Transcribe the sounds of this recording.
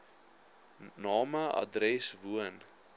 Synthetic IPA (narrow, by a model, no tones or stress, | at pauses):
nɑːməɐ̰drɛsvuən